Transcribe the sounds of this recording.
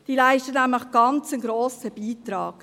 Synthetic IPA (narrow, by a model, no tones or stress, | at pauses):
d̥iːlæɪʃtənæmləχɡ̥ɑnt͡sənɡɾoːsəb̥iːtɾɑ̰ːk